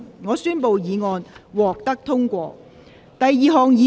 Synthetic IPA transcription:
ŋɔː˨˧syː˥npo˨˧wjiː˨˧ŋɔː˧nwɔː˨k̚t̪ɐ˥k̚t̪ʰʊ˥ŋkʷɔː˧ | t̪ɐ˨jːiː˨˧ɦɔː˨ŋjiː˨˧

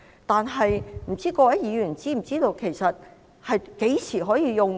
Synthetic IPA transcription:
t̪aː˨˧nɦɐ˨jm̩˨˩t͡siː˥kɔː˧wɐ˨˥jjiː˨˧jyː˨˩nt͡siː˥m̩˨˩t͡siː˥t̪o˧wkʰe˨˩jsɐ˨t̚ | hɐ˨jke˨˥t͡sʰiː˨˩ɦɔː˨˥jiː˧jʊ˨ŋ

